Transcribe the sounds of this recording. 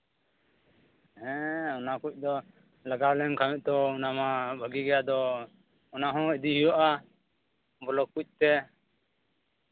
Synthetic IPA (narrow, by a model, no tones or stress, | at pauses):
ɦɛ̃ɔnakuc̚ˀd̪ɔ | laɡaɾlɛmkʰawɛʔ̚ˀt̪ɔunamabʱəɡiɡɛjad̪ɔ | ɔnaɦɔ̃id̪iɦijɔʔa | bɔlɔkːuc̚ˀt̪ɛ